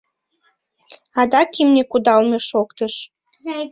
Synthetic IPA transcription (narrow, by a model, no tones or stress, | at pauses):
ɑd̪ɑkimnʲekud̪ɑlmeʃokt̪əʃ